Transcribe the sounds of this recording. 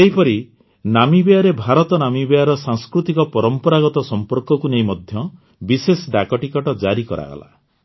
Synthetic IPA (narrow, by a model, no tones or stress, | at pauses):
eɦipɔɾi | namibejaɾebʱaɾɔt̪ɔnamibejaɾɔsaŋskɾut̪ikɔpɔɾɔmpɔɾaɡɔt̪ɔsɔmpɔɾkɔkuneĩmɔd̪ʱjɔ | bisesɔɖakɔʈikɔʈɔd͡ʒaɾikɔ̰ɾa̰ɡɔ̰la̰